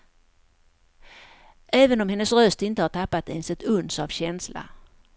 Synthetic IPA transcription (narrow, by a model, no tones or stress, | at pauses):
ɛːvənɔmhɛnːəsɾœst̪ɪnt̪əhaʈʰapːat̪ɛnsɛt̪ɵnsavɕɛnsla̰